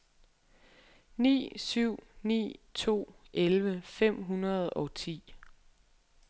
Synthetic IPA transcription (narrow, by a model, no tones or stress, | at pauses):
nḭːsyʊ̰nḭːt͡sʰo̝̰ːʔelʋəfem̰ɦunɐð̩ˠɒ̽t͡sʰḭː